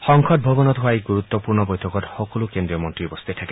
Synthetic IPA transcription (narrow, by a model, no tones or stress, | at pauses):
xɔŋkʰɔt̪̚bʱobɔnɔt̪ɦuajɡuɾut̪ːɔpuɾnɔbɔjt̪ʰɔkɔthɔkɔlukend̪ɾiɔmɔntɾibɔst̪it̪ʰake